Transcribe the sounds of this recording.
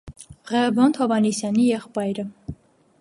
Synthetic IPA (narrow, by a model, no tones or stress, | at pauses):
ʁɛbɔnt̪ʰɔvɑnisjɑnijɛχpɑjɾə